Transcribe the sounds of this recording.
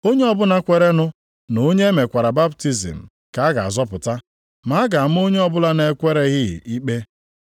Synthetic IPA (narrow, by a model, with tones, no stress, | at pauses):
o˦ɲe˦ɔ˦bʊ˦na˨kʷe˨ɾe˦nʊ˦ | no˨˦ɲe˦me˨kʷa˨ɾa˨ba˦bti˦zḭ˨m̩˨ | ka˨˦a˦ɡa˨a̰˨zɔ˦pʊ˨ta˦ | ma˨˦ɡa˨m̩˦o˦ɲe˦ɔ˦bʊ˦la˦ne˨˦kʷe˦ɾe˦ɣɪ˦ɪ̰˨ʔi˦k͡pe˦